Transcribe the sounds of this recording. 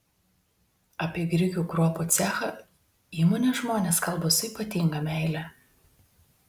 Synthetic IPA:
ɐpʲiɛɡɾʲɪɡʲuːkɾuɔput̪sʲæːxɐ | iːmoːnʲeʒmoːnʲeːskɐlˠbɐsʊiːpɐt̪ʲɪŋɡɐmʲɛˑɪlʲæ

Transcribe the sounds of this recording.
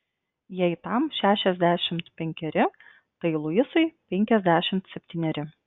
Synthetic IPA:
jɛɪt̪ɐˑmʃʲæːʃʲɛzʲd̪ʲæːʃʲɪmt̪pʲɛŋʲkʲɛɾʲɪ | t̪ɐɪlˠʊɪsɐɪpʲɛŋʲkʲɛzʲd̪ʲæːʃʲɪmt̪sʲɛpʲt̪ʲiːnʲɛɾʲɪ

